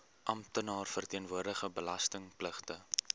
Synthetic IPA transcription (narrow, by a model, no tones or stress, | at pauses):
ʔɐmtənɑːrfərtiənvuərdəχəbəlɐstəŋpləχtə